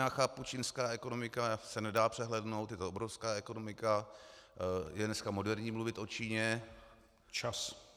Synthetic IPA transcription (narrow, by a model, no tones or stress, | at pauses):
aːxaːput͡ʃinskaːɛko̞no̞mɪkasɛnɛdaːpr̥ɛɦlɛdno̞wt̪jɛt̪oʔobɾo̞fskaːɛko̞no̞mɪka | jɛdnɛskamo̞dɛɾɲiːmluvɪt̪ʔo̞t͡ʃiːɲɛ | t͡ʃas